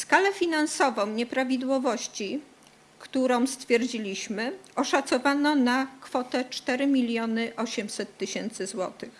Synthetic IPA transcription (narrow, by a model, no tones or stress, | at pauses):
skalɛfʲinansɔvɔ̃w̃ɲɛpɾavʲid̪wɔvɔɕt͡ɕi | kt̪uɾɔ̃w̃st̪fʲjɛɾd͡ʑilʲiɕmɘɔʂat̪sɔvanɔnakfɔt̪ɛt͡ʂt̪ɛɾɘmʲilʲjɔnɘʔɔɕɛmsɛt̪ːɘɕɛnt̪sɘzwɔ̰t̪ɘx